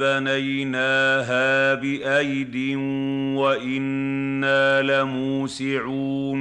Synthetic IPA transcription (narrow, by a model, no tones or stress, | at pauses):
banajnaːɦaːbɪʔajd̪ɪnwaʔɪnːaːlamuːsɪʕu